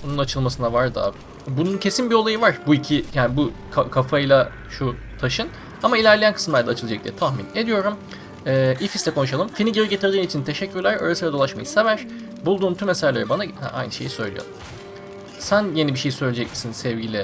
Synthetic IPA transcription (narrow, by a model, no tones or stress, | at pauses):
ununat͡ʃʰɯlˠmasɯnavaɾd̪a̰b | bununcʰe̞sinbiolˠajɯvaɾ̥buicʰijaːnibu | kʰakʰafajlˠa | ʃu | t̪ʰaʃɯn | amailʲæɾlʲejænkʰɯ̥smlæɾd̪ɛaːt͡ʃʰɯlˠad͡ʒak̚d̪ijɛ̰t̪ʰaxmḭne̞d̪ijo̞ɾum | ɛːifislʲɛkʰo̞nuʃ̬alˠɯmfiniɟeɾiɟet̪ʰiɾd̪iːnit͡ʃʰint̪ʰe̞ʃɛcːyɾlʲæɾa̰ːɾasɯɾad̪o̞lˠaʃma̰jɯse̞væɾ̥ | bulˠd̪uːnt̪ʰymesaʒlʲeɾɯbanahɛ̰ʔa̰jnɯʃe̞jisø̞jlʲḭo̰ɾum | sænje̞nibiʃe̞jisøjlʲed͡ʒɛcmisinsɛvɟilʲɪ